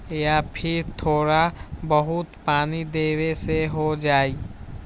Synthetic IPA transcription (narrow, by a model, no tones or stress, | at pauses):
japʰɪɾt̪ʰoːɾabəɦʊt̪paːnid̪eːweseɦod͡ʒaːi